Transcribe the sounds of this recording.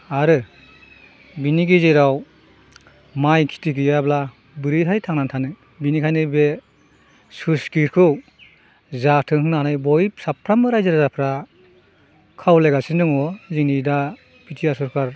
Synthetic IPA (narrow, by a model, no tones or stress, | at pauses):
aɾɯ | biniɡezejɾaw | majkʰi̥tiɡɯjabla | bɯɾɯɦajtʰaŋnantʰanɯ | binikʰajnɯbe | suskiɾkʰɯw | zatʰɯŋhɯŋnaanɯjbɔjpsapʰɾamɯɾajzaɾzapʰɾa | kʰawlajɡasindɯŋɔziŋnida | pitʰijasɔɾkʰaɾ